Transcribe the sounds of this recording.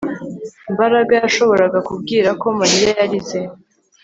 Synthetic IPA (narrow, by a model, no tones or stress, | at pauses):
mbaɾaɡajaʃo̞βo̞ɾaɡakub̚ɡiːɾako̞maɾijajaɾize